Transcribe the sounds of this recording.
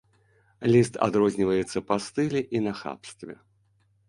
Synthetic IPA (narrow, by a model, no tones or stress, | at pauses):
lʲist̪ʰa̰d̪ɾɔzʲnʲivɐjɛt̪sːɐpast̪ɨlʲiʔinɐxa̰pst̪vʲɛ̰